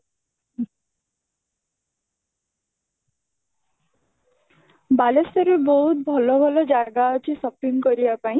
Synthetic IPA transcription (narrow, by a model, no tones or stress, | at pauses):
balesʌɾubʌut̪̚bʱʌlʌbʱʌlʌd͡zaɡat͡sisʌpiŋɡʌɾijapaĩ